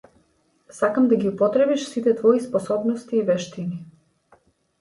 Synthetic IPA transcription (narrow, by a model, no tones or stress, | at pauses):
sakamd̪aɡʲiupɔt̪ɾɛbiʃsit̪ɛt̪vɔispɔsɔbnɔst̪iːvɛʃt̪ini